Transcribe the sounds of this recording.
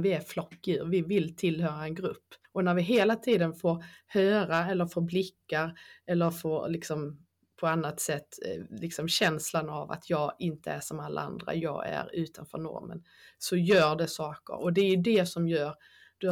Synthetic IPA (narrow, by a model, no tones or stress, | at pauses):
vɪæɾflɔkːʉːɾvɪvɪlt̪ʰɪlhœːɾaɛnɡɾɵpːɔnæɾvɪɦeːlat̪ʰiːd̪ənfoːɾhøːɾaɛlːəɾfoːɾblɪkːaɾɛlːəɾfoːɾlɪksɔm | pʰɔanːat̪sɛt̪ːlɪksɔmɕɛnslanava̰t̪ʰjɑːɡɪnt̪ʰəæʂɔmalːa̰a̰nd̪ɾa̰jɑ̰ːɡæ̰ɾʉ̟ːt̪ʰanfœ̰ːɾɳɔ̰ɾmə̰n | sɔjœːɾɖɛsɑːkə̰ɾɔd̪ɛɾjɵd̪ɛsɔmjœːɾ | d̪̥ɵ